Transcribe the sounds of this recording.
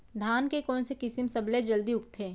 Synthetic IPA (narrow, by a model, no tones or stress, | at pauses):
d̪ʱaːnkekɔːnsekɪsɪmsɐbled͡ʒɐld̪iʊkt̪ʰeː